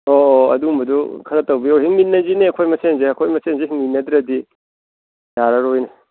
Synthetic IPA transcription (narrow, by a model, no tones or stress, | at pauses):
oɐ̰dumbɐdukʰɐɾɐtɐwbiowɦiŋminːɐzineɐkʰojmɐsenzeɐkʰojmɐsenzeɦiŋminːɐd̪ɾɐdi | jaɾɐɾojne